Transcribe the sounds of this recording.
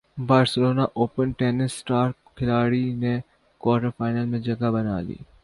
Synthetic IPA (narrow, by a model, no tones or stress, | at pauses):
baːɾsɪloːnaʔoːpənʈɛːnɪsːʈaːɾkʰɪlaːɽine | kwaːɾʈəɾfaːɪnəlmẽd͡ʒɐɡabɐna̰ːlḭː